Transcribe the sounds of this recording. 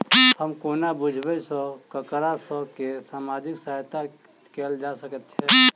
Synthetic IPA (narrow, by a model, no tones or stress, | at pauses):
həmkoːnabʊd͡ʒʱbəsɔkəkɾasɔkesaːmaːd͡ʒɪksat̪a | keːld͡ʒasəkət̪̚t͡ʃʰɛː